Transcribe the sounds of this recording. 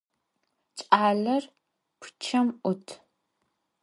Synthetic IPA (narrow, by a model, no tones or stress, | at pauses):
t͡ʃʼaːɮɐr | pʷʰʊ̥t͡ʃʰɐmʔʷʊtʰ